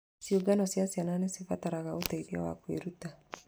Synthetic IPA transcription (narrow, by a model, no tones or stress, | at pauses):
siuɡanɔsiasiananesifataɾaɣaotaiðia̰wa̰kwḛɾuta